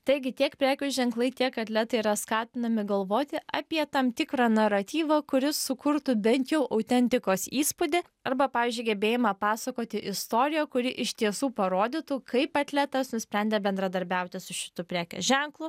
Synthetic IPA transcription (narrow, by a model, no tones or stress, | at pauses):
t̪ɐɪɡʲɪt̪ʲiɛkpʲɾʲæːkʲʊsʒʲɛŋklˠɐɪt̪ʲiɛkɐt̪ʲlʲɛt̪ɐɪiɾɐskɑːt̪ʲɪnɐmʲɪɡɐlˠʋoːt̪ʲɪʔɐpʲiɛt̪ɐmt̪ʲɪkɾɑːnɐɾɐt̪ʲiːʋɐkʊɾʲɪsʊkʊɾt̪ʊbʲɛnʲt̪jɛʊʔɐʊt̪ʲɛnʲt̪ʲɪkoːsiːspʊd̪ʲɪ | ɐɾbɐpɑːʋʲɪːzʲd͡ʒʲʊɪɡʲɛbʲeːjɪmɐpɑːsɐkoːt̪ʲɪʔɪst̪oːɾʲɪjoːkʊɾʲɪʔɪʃʲt̪ʲiɛsuːpɐɾoːd̪ʲɪt̪uːkʰɐɪpɐt̪ʲlʲæt̪ɐsnʊsʲpʲɾʲɛnʲd̪ʲɛbʲɛnd̪ɾɐd̪ɐɾʲbʲɛʊt̪ʲɪsʊʃʲɪ̥t̪ʊpʲɾʲæːkʲṵʒʲɛŋklˠʊ